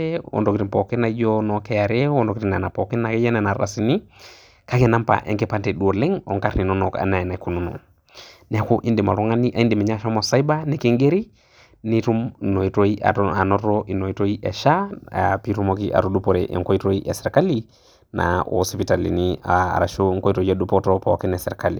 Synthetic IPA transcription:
eʔo̰˨ndo˨kiɾi˨mpɔ˨kɛ˦na˨˦d͡ʒonɔ˨kɛ˦ja˨ɾɛ˦wo˦ndo˨kiɾi˨na˨na˨pɔ˨kɛ˦nːa˨kɛ˦ja˦nɛ˨na˨ɾa̰˨sini˦ | ka˦kɛ˨na˦mpa̰˨ʔɛ̰˨ŋke˦pa˦ntɛ˨ɗu˨o˨lɛ˦ŋɔ̰˨ŋka˦ɾni˨nɔ˦nɔ˨ka̰˨na˨na˨ku˨no˦no̰˨ | nɛ˨˦ku˦ʔi˦ndi˨ma̰˨lɔ˦ŋa˦ni˦ʔa˨i˦ndi˨mɛ˨ɲa˦ʃɔ˦mɔ˨sa˦i˦ba˦ne˨ke˦ŋɡe˦ɾi˦ | ni˦tu˦mno˨i˨to˦ia̰˨a˨nɔ˦to˦ʔi˨no˨i˦to˦i˦ʔɛ˨ʃa˦pi˦ɾu˦moki˦ʔa̰˨ɾu˨du˦po˨ɾeʔḛ˨ŋko˦i˦to˦i˦ʔɛ˨sɛ˨ɾka˦li | nʔa̰˨o̰si˨pi˨ta˨lḭ˨nia̰˨ɾa˨ʃo˦ŋko˦i˦to˨i˦e˦du˦potopɔ˨ki˦nɛ˨sɛɾka˦lḭ˨

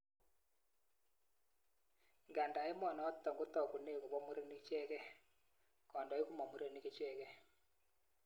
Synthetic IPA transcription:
ŋɡa˨nda˨˦ɪ˦mɔ˨nɔ˨ɔ˦tɔ˨ŋɡo˦tɔ˨ku˨ne˦˨ko˨βɔ˦mu˦ɾe˦ni˦t͡ʃɛ˦kɛ˦ | kɔ˨ndɔ˨˦i˦ku˦ma˨mu˦ɾe˦ni˦ke˦t͡ʃɛ˦kɛ˦

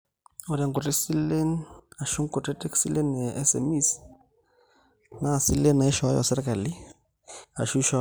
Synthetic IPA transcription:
o˨ɾa˨ŋkʊ˨te˦si˦le˦na˨ʃu˦ŋ˦kʊ˨te˦te˦ksi˦le˦nɛ˨ɛ˦sɛ̰˨mi˦s | na˦˨si˦le˦na˨ɪ˦ʃɔ˨˦jɔ̰˨sɛ˦ɾɛ˦ka˨lɪ˦ | a̰˨ʃu˦ʃɔ˦

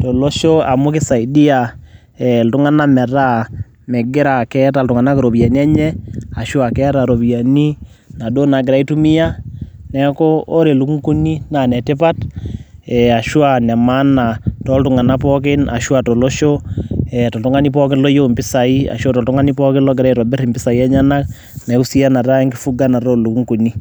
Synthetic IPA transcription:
tɔ˨lo˦ʃo˦a˨mʊ˦kɪ˦sa˨i˨di˦a˨ | ɛ˨ltʊ˦ŋa˦na˦mɛ˨ɾa˦ | mɛ˨ɡɪ˦ɾa˨kɛ˦ta˨ltʊ˨ŋa˨na˦kɪ˨ɾo˨bi˨a˨ni˦a˦ɲɛ˦a˨ʃwa˨kɛ˦ta˨ɾo˨bi˨ja˨ni˦ | na˨do˦na˨ɡɪ˨ɾa˨˦i˦tu˦mɪ˦ja˦nɛ˦kɔː˦ɾe˨lu˨kŋku˦ni˦na˨nɛ˨tɪ˦pa˦t | ɛ˨a˨ʃwa˨na˨ma˦na˨tɔ˦ltu˨ŋa˨na˦p̬ɔ˦k̬ɪ˦nʔa̰˨ʃwa˨tɔ˨lɔ˦ʃo˦ɛ˨tɔ˨ltu˦ŋa˦ni˦p̬ɔ˦k̬ɪ˦nlɔ˦jo˦˨mbɪ˦sa˨i˦a̰˨ʃa˦tɔ˨ltu˦ŋa˦ni˦pɔ˦kɪ˦nlɔ˦ɡɪ˨ɾa˦i˦ɾɔ˨bɪ˦ɾi˨mbɪ˦sa˨i˦ɛ˦ɲa˦na˦k | nɛ˨ku˦si˦ja˦na˨ta˦ŋɡɪ˦fu˦ɡa˦na˨ɾo˦lu˨ku˦ŋku˨ni˦

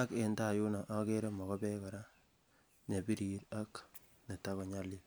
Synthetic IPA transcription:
a˦ke˨nda˦˨ju˦na˨ʔa˦ke˦ɾe˦mɔ˨kɔ˦pɛ˦kɔ˨ɾa˦ | ne˨pi˦ɾiɾa˦k | ne˨ta˦kɔ˨ɲa˦li˦l

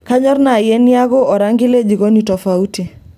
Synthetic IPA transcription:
ka˦ɲɔ˦ɾna˨jɛ˦nja˦ɡɔ˦ʔɔ˨ɾa˦ŋɡɪ˦le˦d͡ʒi˨ɡɔ˦ni˨tɔ˨fa˨u˦ti˨

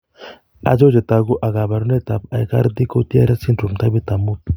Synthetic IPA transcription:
a̰˨d͡ʒo˦wd͡ʒe˨t̪aɡu˦ʔa˨ɡa˨ba˨ɾu˦ne˦t̪a˨pa̰˨jka̰˦ɾd̪i˦ko˦t̪i˦a̰˦ɾa˦si˦nɾu˨mt̪a˦bi˦t̪a˨mut̪̚

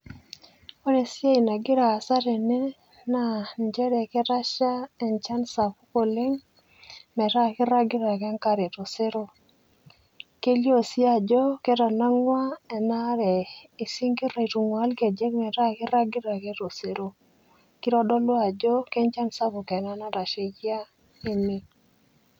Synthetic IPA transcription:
o˦ɾe˨sja˦i˨na˨ɡɪ˦ɾaː˨sa˦ɾɛ˨nɛ˦ | na˨nd͡ʒɛ˦ɾɛ˨kɛ˦ta˦ʃa˦ɛ˨nt͡ʃa˦nsa˨pu˦ko˨le˦ŋ | mɛ˨ɾa˦kɪ˦ɾa˦ɡɪ˦ɾa˨kɛ˦ŋka˦ɾe˨to˨se˦ɾo˦ | ke˦ljo˦˨sja˦˨d͡ʒɔ˦kɛ˦tɔ˨na˦ŋwa˦ɛ˨na˦ɾɛ˨i˨si˦ŋki˦ɾa˨i˨tu˨ŋwa˦lke˨d͡ʒe˦kmɛ˨ta˦kɪ˦ɾa˦ɡɪ˦ɾa˨ke˦to˨se˦ɾo˨ | ki˦ɾɔ˦dɔ˦lwa˨d͡ʒɔ˦kɛ˦nt͡ʃa˦nsa˦pʊ˨kɛ˨na˦na˦ɾa˨ʃe˨kja˦ | e˦mi˦

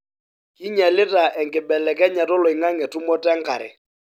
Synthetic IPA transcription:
ki˦ɲɛ˨lɪ˦ta˨ʔɛ˨ŋkɪ˨bɛ˨lɛ˨k̬ɛ˦ɲa˨tɔ˦lɔ˨ɪ˨ŋa˦ŋɛ˨tu˦mɔ˦tɛ˦ŋka˨ɾɛ̰˨

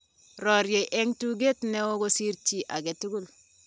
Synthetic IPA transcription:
ɾɔ˨ɾje˨ʔe˦ŋtu˦ɡe˦tne˦wo˦ɡo˦si˦ɾt͡ʃi˦ʔa˨ɡe˨tu˦ɡu˦l

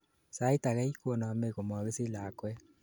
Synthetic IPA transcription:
sa˦ita˨ɣɛ˦ikwo˨na˨a˨meɣo˨mɔ˨ɣe˦se˦la˨kwɛ

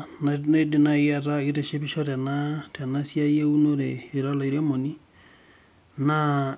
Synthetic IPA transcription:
nana˦i˦di˨na˨ja˦ta˦i˦ɾe˨ʃe˦bi˦ʃɔ˦tɛ˨na˦tɛ˨na˦sja˦je˦u˦no˦ɾe˨i˨ɾɔ˦la˨i˨ɾe˦mo˨ni˦ | na˦

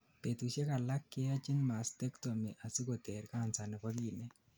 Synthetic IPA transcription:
pe˨t̪u˨ʃe˦ka˨la˦kːɪ˦a˦t͡ʃɪ˦nma˨st̪e˦kto˨me˨ʔa˨si˦ko˨t̪e˨ɾka˦˨nsa˨nɛ˨ka˦ɡi˨nɛ˦

